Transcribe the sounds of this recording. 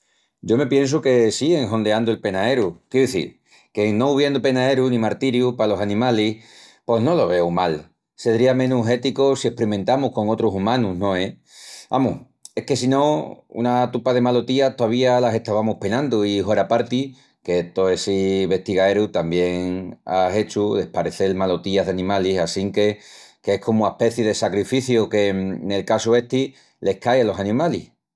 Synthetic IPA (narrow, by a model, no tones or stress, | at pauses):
ɟ͡ʝo̞me̞pje̞ns̬uke̞sieŋɦõ̞nd̪eand̪uelpe̞nae̞ɾukjeuðeθḭɾ | ke̞no̞uβje̞nd̪upe̞nae̞ɾunĩmaɾt̪iɾjupalo̞sanĩmalih | po̞ɦno̞lo̞β̞e̞wmal | se̞ðɾiamẽ̞nuɦe̞t̪ikosie̞hpɾimẽ̞nt̪amuhko̞ŋo̞t̪ɾusumãnunõ̞e | a̰mṵ | ehke̞sino̞ṵnat̪upaðe̞malot̪iat̪oaβ̞ialase̞ht̪aβamohpe̞nãnd̪uiɦoɾapaɾt̪i | ke̞et̪oe̞siβe̞ht̪iɣaeɾut̪ambje̞ŋa̰e̞t͡ʃuðe̞hpaɾeθe̞lmalo̞t̪iaðanĩmalisasiŋke̞kehkʰo̞muape̞θjeðe̞sakɾifiθjoke̞ne̞lkasue̞ht̪i | le̞hkajalo̞sanĩmalih